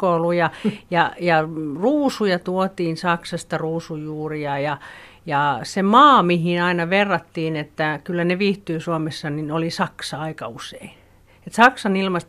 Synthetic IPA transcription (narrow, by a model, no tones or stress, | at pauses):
koulujɑjɑjɑruːsujɑt̪uot̪iːnsɑksɑst̪ɑruːsujuːriɑjɑ | jɑsemɑːmihinɑinɑʋerːɑt̪ːiːnet̪ːækylːæneʋiːht̪yːsuomesːɑninolisɑksɑɑikɑusein | et̪sɑksɑnilmɑst̪